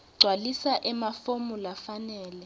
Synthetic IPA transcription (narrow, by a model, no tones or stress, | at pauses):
ɡ͡ǀʱwalisaʔɛmafomulafanɛːlɛ